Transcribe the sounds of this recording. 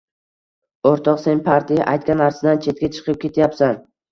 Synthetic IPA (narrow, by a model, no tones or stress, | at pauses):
oɾt̪ʰɒqse̞npʰaɾt̪ʰija̰ʔajt̪̚kʲanːaɾsɪd̪ant͡ʃʰe̞t̪̚kʲat͡ʃʰɨ̥qʰɨp̚kʲʰe̞t̪ʰjapsan